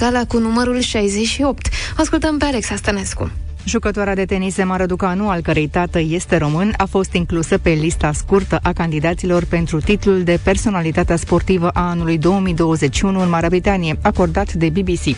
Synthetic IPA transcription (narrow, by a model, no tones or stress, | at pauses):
alakunuməɾulʃajzeʃio̞pt̪askult̪əmpealeksast̪əne̞skṵ | ʒukət̪oaɾead̪e̞t̪e̞nise̞maɾəd̪ukanualkəɾe̞jt̪at̪əje̞st̪e̞ɾo̞mɨnafo̞st̪iŋklusəpe̞list̪askurt̪əʔakand̪id̪at̪silo̞rpe̞nt̪ɾut̪it̪luld̪e̞pe̞rso̞nalit̪at̪easpo̞rt̪ivəʔaanulujd̪o̞wəmid̪o̞wəze̞t͡ʃːiunuɨnmaɾeabɾit̪anije̞ako̞rd̪at̪d̪e̞bibisi